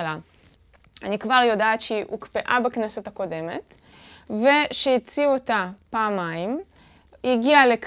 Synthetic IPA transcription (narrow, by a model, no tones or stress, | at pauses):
la | anikvaʁjo̞daːtʃeʔṵkpeʔabaknasotako̞de̞me̞̰t | ve̞ʃejit͡siotapaːmaim | jiɡialek